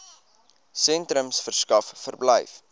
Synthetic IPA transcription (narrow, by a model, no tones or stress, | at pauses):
sɛntɾəmsfərskɐffərbləjf